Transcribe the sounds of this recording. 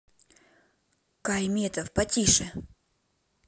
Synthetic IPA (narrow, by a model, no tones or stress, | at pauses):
kajmʲet̪ɐfpɐtʲiʂɛ